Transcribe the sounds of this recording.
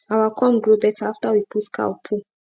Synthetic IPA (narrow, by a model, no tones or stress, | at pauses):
awakʰɔ̃mɡɹobɛtʰaaftawipʰutkʰa̰ɔpʰu